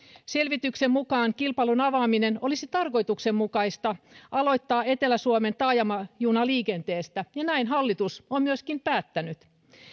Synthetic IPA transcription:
se̞lʋit̪yksemmukɑːŋkilpɑlunɑʋɑːminenolisit̪ɑrko̞jt̪uksemmukɑist̪ɑʔɑlo̞jt̪ːɑːe̞t̪elæsuoment̪ɑːjɑmɑjuːnɑliːkent̪eːst̪æjɑnæinɦɑlːit̪usommyøskimpæːt̪ːænyt̪

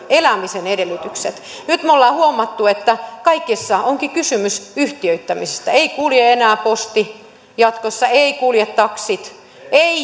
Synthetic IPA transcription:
elæmisenedelːˑyt̪ykset̪ | nyt̪mulːɑːhuomːɑt̪ːuet̪ːækɑikːisːɑoŋkikysymysyht̪iøyt̪ːæmise̥st̪æeikuljeenæːpost̪i | jɑt̪kosːɑeikuljet̪ːɑksit̪ | ei

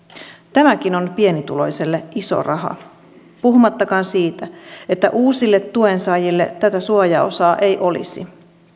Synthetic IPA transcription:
t̪æmækino̞npie̞nit̪ulo̞jse̞lːeʔiso̰rɑɦɑ̰ | puhumɑt̪ːɑkɑːnsiːt̪æe̞t̪ːæ̰ʔuːsilːet̪ːue̞nsɑjilːet̪æt̪æsuɑjɑo̰sɑːʔejʔo̞lḭsḭ

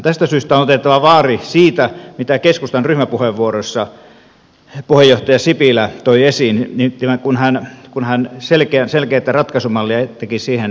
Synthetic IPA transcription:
t̪æst̪æsyːst̪æonot̪et̪ːɑʋɑʋɑːrisiːt̪æmit̪ækeskust̪ɑnryhmæpuheʋʋuorosːɑ | puhejoht̪ɑjɑsipilæt̪oiesinnit̪imækunhænkunhænselkeænselkeːt̪ːˑærɑt̪kɑsumɑlːiɑt̪ekisiːhen

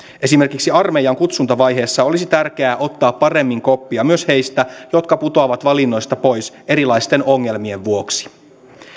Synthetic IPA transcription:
ʔe̞sime̞rkiksiɑrme̞jɑŋkut̪sunt̪ɑʋɑjɦe̞ːsːɑo̞lisit̪ærk̟eæːʔo̞t̪ːɑːpːɑre̞mːiŋko̞pːiɑmyøshe̞jst̪æjo̞t̪kɑput̪oɑʋɑt̪ʋɑlinːo̞jst̪ɑpo̞js | e̞ɾilɑjst̪e̞no̞ŋːe̞lmie̞ʋʋuo̞ksi̥

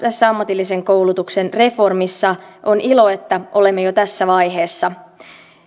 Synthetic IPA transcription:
t̪æsːæɑmːɑt̪ilːise̞ŋko̞wlut̪ukse̞nre̞fo̞rmisːɑʔo̞nilo̞e̞t̪ːæʔo̞le̞mːejot̪æsːæʋɑjɦe̞ːsːɑ

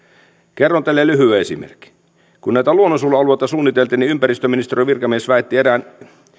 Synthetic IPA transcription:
kerːont̪elːelyɦyæesḭmḛrkːi̥ | kunnæit̪æluonːosulːɑlueit̪ɑsuːnːit̪elt̪iniympæɾist̪øminist̪eroʋirkɑmiesʋæet̪ːieɾæːn

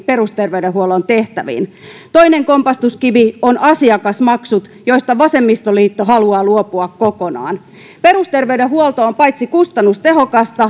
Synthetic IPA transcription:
peɾust̪erʋeyɾehuolːont̪eht̪æʋḭːnt̪oineŋkompɑst̪uskiʋionʔɑsiɑkɑsmɑksut̪joist̪ɑʋɑsemːist̪oliːt̪ːoɦɑluɑːluopuɑkkokonɑ̰ːn | perust̪erʋeydehuolt̪oːmpɑjt̪sikust̪ɑnːust̪eɦokɑst̪ɑ

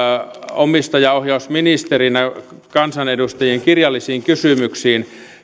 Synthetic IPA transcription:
omist̪ɑjɑohjɑusminist̪erinæ | kɑnsɑnedust̪ɑjieŋkirjɑlːisiːŋkysymyksiːn

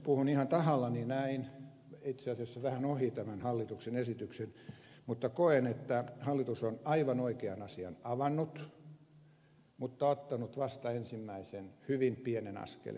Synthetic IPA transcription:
puhunihɑnt̪ɑhɑlːɑninæin | it̪seɑsiɑsːɑʋæhænohit̪æmænhɑlːit̪uksenesit̪yksen | mut̪ːɑkoenet̪ːæhɑlːit̪usonɑiʋɑnoikeɑnɑsiɑ̰nɑʋɑnːut̪ | mut̪ːɑot̪ːɑnut̪ʋɑst̪ɑensimːæisenhyʋimpienenɑ̰skḛl

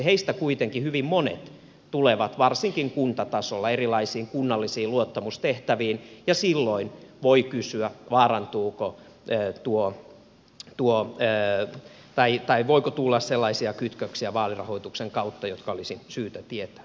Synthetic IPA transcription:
heist̪ækuit̪eŋkihyʋimmonḛt̪ | t̪uleʋɑt̪ʋɑrsiŋkiŋkunt̪ɑt̪ɑsolːɑerilɑisiːŋkunːɑlːisiːluot̪ːɑmust̪eht̪æʋiːnjɑsilːoinʋoikysyæʋɑːrɑnt̪uːko | øːt̪uo | t̪uoøː | t̪ɑit̪ɑiʋoikot̪ulːɑsselːɑisiɑkyt̪køksiæʋɑːlirɑ̰hoit̪ukseŋkɑut̪ːɑjot̪kɑolisisyːt̪æt̪iet̪æ̥

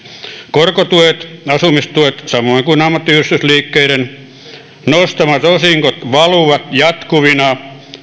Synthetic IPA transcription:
korkot̪uet̪ɑsumist̪uet̪sɑmoiŋkuinɑmːɑt̪ːiyrist̪ysliːkːeiɾen | nost̪ɑmɑt̪osiŋkot̪ʋɑluʋɑt̪jɑt̪kuʋinɑ

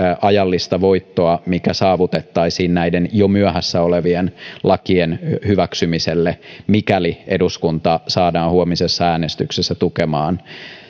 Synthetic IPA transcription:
ʔɑjɑlːist̪ɑʋoit̪ːoɑmikæsɑːʋut̪et̪ːɑisiːnnæidenjomyæhæsːæoleʋienlɑkienhyʋæksymiselːemikæliʔeduskunt̪ɑsɑːdɑːnhuomisesːɑæːnest̪yksesːæt̪ukemɑːn

